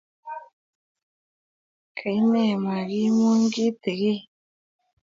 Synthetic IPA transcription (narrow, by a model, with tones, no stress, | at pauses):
kʰa˨i˦ne˦˨ma˨ɣi˦mo˦ŋɡi˦te˨ɣe˦